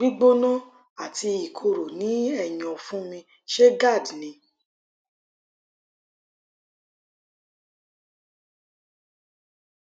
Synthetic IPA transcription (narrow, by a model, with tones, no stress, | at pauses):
ɡ͡bi˦ɡ͡bo˦nɔ̃˦ | a˦˨tʰi˧i˨kʰo˧ɾo˨nĩ˨˦ɛ˦˨j̃ɔ̃˨fũ˦mĩ˧ | ʃe˦ɡa˦˨dnĩ˧